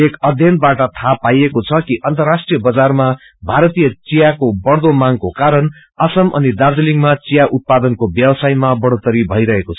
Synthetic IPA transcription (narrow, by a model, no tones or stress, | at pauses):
ekʌd̪ʱjʌnbaʈʌt̪ʰapajekot͡sʰʌkiʔʌnt̪ʌrasʈrijʌbʌd͡zarma | bʱaɾʌt̪ijʌt͡sijakobʌɽd̪omaŋkokaɾʌn | ʌsʌmʌ̰nid̪ard͡ziliŋmat͡sijaʔut̪̚pad̪ʌnkobjʌbʌsajmabʌɽot̪ʌɾibʱʌjɾʌɦekot͡sʰʌ